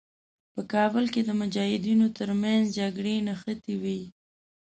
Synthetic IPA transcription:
pəkɑbəlked̪əmʊd͡ʒɑhɪd̪inot̪əɾmanzd͡ʒaɡɽenaxət̪iwi

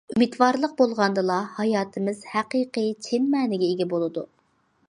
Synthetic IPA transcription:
ymid̪wɑɾlˠəq̚bolˠʁɑnd̪ɨlˠɑhɑjɑːt̪ʰɨmɪz̥hæqiːqɨt͡ʃʰɪnmɛːnɪɡʲɛeɡʲɛbolˠɨd̪u

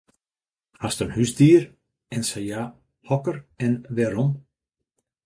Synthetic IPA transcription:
hastənhyzdiːəɾ | ɛnsaja | hɔkərɛnʋɛɾɔm

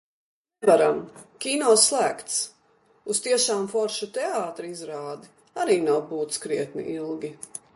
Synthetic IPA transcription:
nvaɾamkʲiːnɔslˠæːkt̪s | ust̪iɛʃaːmfɔɾʃut̪ɛaːt̪ɾiizɾaːd̪i | aɾiːnawbuːt̪skɾiɛt̪nḭʔilˠɡʲi

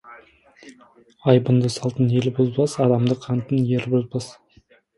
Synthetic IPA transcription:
ɑjbənd̪əsɑlˠt̪ənelɪbozbɑsɑd̪ɑmd̪əqʰɑnt̪ənjeɾbozbɑs

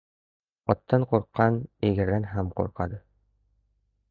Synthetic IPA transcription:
ɒt̪ːɑɴquɾqːɑniɡɘ̆ɾðænɦæmqṵɾqɑd̪ɤ

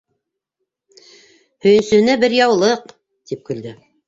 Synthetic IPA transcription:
hɵ̆jɘ̆nsɵ̆hɘ̆næbɘɾjɑwlˠɤq | t̪ip̚kɵ̆ld̪ɘ

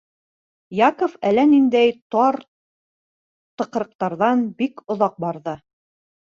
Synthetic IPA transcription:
jɑkŏfælænind̪æjt̪ɑɾ | t̪ɤ̆q̆ɾɤ̆q̚t̪ɑɾðɑnbikŏðɑq̚bɑɾðɤ

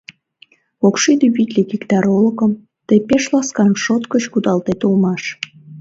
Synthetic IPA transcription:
okʃid̪yβit̪ʲlʲikikt̪ɑɾoləkəm | t̪əpeʃlɑskɑmʃot̪kət͡ɕkud̪ɑlt̪et̪ulmɑʃ

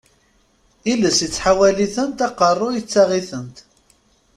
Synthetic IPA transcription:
iləsət͡sːħawæliθənt̪ɑqərˤːʊjət͡sːaʁiθənt̪

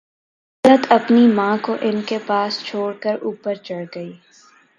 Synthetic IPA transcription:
lət̪ʰɐpnimãːkoʔɪnkepaːst͡ʃʰoːɽkəɾuːpəɾt͡ʃɐɽɡɐiː

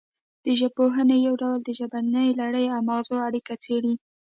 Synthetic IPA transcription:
d̪̥əʒəb̚pːoɦənejawɖawld̪əʒabanəjlaɽəjawmaɣzoaɽikat͡seɽi

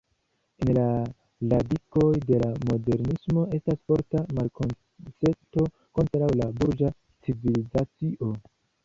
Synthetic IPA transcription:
enla | ladiko̞jde̞lamo̞de̞ɾnismo̞e̞stasfo̞ɾtamalkon | se̞to̞ | ko̞ntɾawlabuɾd͡ʒa | t͡sivilizat͡siʔo̞

